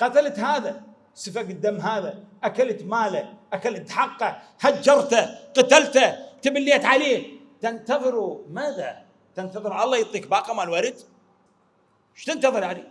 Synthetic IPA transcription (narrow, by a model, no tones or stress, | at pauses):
qɑt̪alat̪haːða | sɨfaɡɪd̪ːamːɦaːða | ʔakalat̪maːlaʔakalat̪ħɑqːɑ | had͡ʒːɑɾˤt̪aqɑt̪alt̪at̪ɪbɪlːiat̪ʕaleː | t̪ɪnt̪ɑðˤɨɾumaːða | t̪ɪnt̪ɑðˤɨɾʔɑlˤːɑjɨt̪ˤːiːk̚bɑːqɑmaːlwaɾɪd̪ | ʃt̪ɪnt̪ɑðˤɨɾʕanḭ